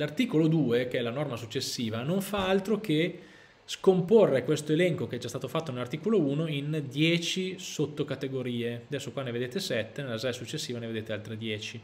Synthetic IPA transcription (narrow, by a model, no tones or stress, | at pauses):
lart̪iːkolod̪uːekeɛlanɔrmasut͡ʃːesːiːvanoɱfaalt̪ɾoke | skomporːekwest̪oelɛŋkokeɛd͡ʒast̪aːt̪ofat̪ːonelart̪iːkolouːnoind̪jɛːt͡ʃisot̪ːokat̪eɡoɾiːead̪ɛsːokwanːeved̪eːt̪esɛt̪ːenelːazaːjsut͡ʃːesːiːvaneved̪eːt̪ealt̪ɾed̪jɛːt͡ʃi